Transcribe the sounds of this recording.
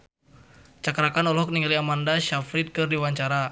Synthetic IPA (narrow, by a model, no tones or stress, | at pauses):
t͡ʃakɾakanɔlɦɔk̚niŋaliamandaʃafɾit̪̚kɨrdiwaɲt͡ʃaɾa